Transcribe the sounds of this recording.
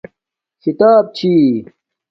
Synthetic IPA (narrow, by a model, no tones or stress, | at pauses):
kit̪aːb̚t͡ɕʰiː